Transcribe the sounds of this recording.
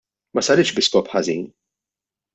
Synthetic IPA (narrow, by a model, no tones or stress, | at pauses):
mɐsɐɾɪʃbɪskɔpħɐziːn